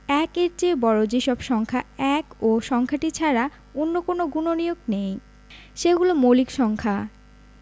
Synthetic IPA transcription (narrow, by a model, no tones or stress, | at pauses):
ɛkeɾd͡ʑebɔɾod͡ʑeʃɔbʃɔŋkʰaɛkoʃɔŋkʰaʈit͡ɕʰaɾa | onːokonoɡunonijoɡnej | ʃeɡulomolikʃɔŋkʰa